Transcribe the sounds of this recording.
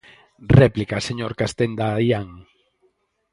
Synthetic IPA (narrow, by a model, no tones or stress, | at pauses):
rɛplikaseɲoɾkast̪end̪ajaŋ